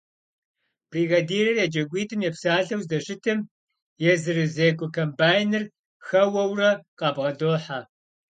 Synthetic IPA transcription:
b̥riːɣɐdiːrɐrjɛd͡ʒʼɐɡʷiːtʰɨmjɛpsaːɮɐwzdɐɕʼɪtʰɨm | jɛzɨrɨzeːkʷʼɔkʰɐmbaːjnɨr | xɐwɐwrɐqɑːbʁɐdoːħaː

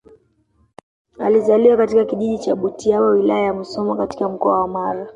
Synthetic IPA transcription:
a̰lizaliwakatikakiʄiʄit͡ʃaɓutiawawilajajamusɔmakati̥kam̩kɔawamaɾa

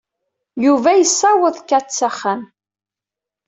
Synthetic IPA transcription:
juvæjəsːawəðkːæt͡sːæχːæn

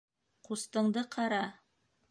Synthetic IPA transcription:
qust̪ɤ̆ɴd̪ɤqʰɑɾɑ

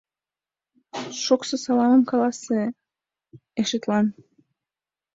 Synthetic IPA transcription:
ʃoksəsɑlɑməmkɑlɑse | eʃet̪lɑn

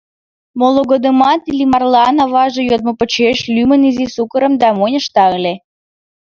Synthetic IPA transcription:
moloɣod̪əmɑt̪ilʲimɑrlˠɑnɑβɑʒɤ̆jod̪̚mŏpə̆t͡ɕeʃlymə̆nizisukəɾə̆md̪ɑmonʲəʃt̪ɑlʲe

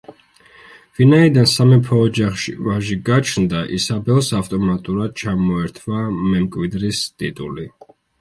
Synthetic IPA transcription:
vinaid̪ansamɛpʰɔːd͡ʒaχʃivaʒiɡat͡ʃʰnd̪aʔisabɛlˠsavt̪ʼɔmat̪ʼuɾad̪̥̚t͡ʃʰamɔɛɾt̪ʰvamɛmkʼwid̪ɾist̪ʼit̪ʼuli

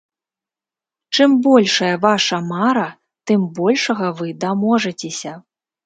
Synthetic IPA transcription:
t͡ʂɨmbɔlʲʂɐjɐvaʂɐmaɾɐ | t̪ɨmbɔlʲʂɐɣɐvɨd̪amɔʐɐt͡sʲesʲɐ

